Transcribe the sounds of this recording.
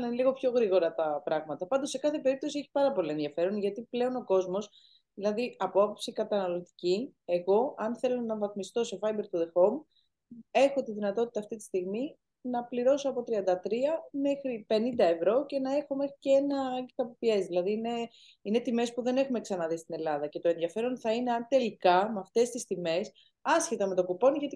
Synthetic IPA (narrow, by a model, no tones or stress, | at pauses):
nliɣo̞pço̞ɣɾiɣo̞ɾɐt̪ɐpɾɐɣmɐt̪ɐpɐnd̪o̞sse̞kɐθe̞pe̞ɾip̚t̪o̞sieçi̥pɐɾɐpo̞lie̞nðiɐfe̞ɾonʝɐt̪iple̞o̞no̞ko̞zmo̞s | ðilɐðiɐpoɐpo̞psikɐt̪ɐnɐlo̞t̪i̥cie̞ɣo̞ɐnθe̞lo̞nɐvɐθmist̪o̞sefɐjbe̞ɾt̪uðe̞xo̞m | e̞xo̞t̪iðinɐt̪o̞t̪it̪ɐːft̪it̪i̥st̪iɣmi | nɐpliɾo̞so̞ɐpo̞t̪ɾiɐnd̪ɐt̪ɾiɐme̞xɾipe̞nind̪ɐe̞vɾo̞ce̞nɐe̞xo̞me̞xɾiceenɐɡet̪ɐpopie̞zðilɐðiːne | ine̞t̪ime̞spuðe̞ne̞xume̞ksɐnɐðist̪ine̞lɐðɐce̞t̪o̞e̞nðjɐfe̞ɾo̞nθɐine̞ɐnt̪e̞likɐmeɐft̪e̞st̪ist̪ime̞s | ɐsçe̞t̪ɐme̞t̪okupo̞nʝɐt̪i